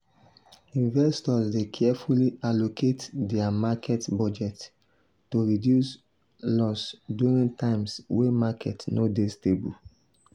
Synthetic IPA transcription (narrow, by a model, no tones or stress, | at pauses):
ĩnvɛstɔsdekʰɛfulialokʰetdɛamakʰɛtbɔd͡ʒɛtː | oɹidjus | lɔsduɹĩntãɪ̃mswemakɛ̰tnodestebṵl